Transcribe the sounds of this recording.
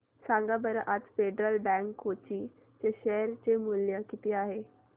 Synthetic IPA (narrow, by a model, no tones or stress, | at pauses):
sãŋɡabəɾəʔat̪feɖɾəlbɛ̃ŋkɦot͡ɕiː | t͡ɕeɕɛɦɾt͡ɕemuljəkit̪iaɦe